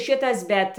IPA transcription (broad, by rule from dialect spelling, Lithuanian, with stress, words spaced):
ˈʃʲɪtɐs ˈbʲɛt